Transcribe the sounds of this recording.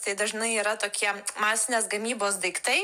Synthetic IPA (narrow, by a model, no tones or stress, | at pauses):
t̪ɐɪd̪ɐʒnɐɪiːɾɐt̪oːkʲiɛmɑːsʲɪnʲeːsɡɐmʲiːboːs̬d̪ɐɪkt̪ɐɪ